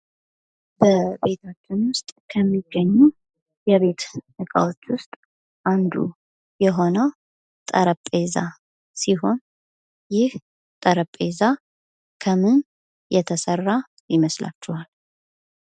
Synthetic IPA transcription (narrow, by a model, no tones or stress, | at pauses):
bəbe̞t̪ʰat͡ʃːɪnwʊst̪ʼkʰəmːiɡːəɲːu | jɛβe̞t̪ɨkʼa̰wot͡ʃːwʊst̪ʼ | ʔand̪ṵ | jɛɦo̞nəw | t̪ʼəɾəpʼeza | siɦo̞n | jɪh | t̪ʼəɾəpʼeza | kʰəmɨn | jɛt̪ʰəsərːa | jɪməslʔa̰t͡ʃːɛhal